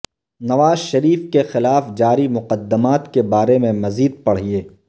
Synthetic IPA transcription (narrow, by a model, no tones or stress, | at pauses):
nɐʋaːzʃɐɾiːfkexɪlaːfd͡ʒaːɾimʊqəd̪ːəmaːt̪kebaːɾemẽmɐziːd̪̚pɐɽ̤ɦieː